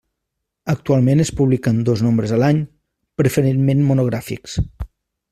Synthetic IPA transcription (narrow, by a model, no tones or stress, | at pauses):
ək̚t̪ualˠmenəspuβlikənd̪oznombɾəzəlaɲ | pɾəfəɾenmenmunuɣɾafḭks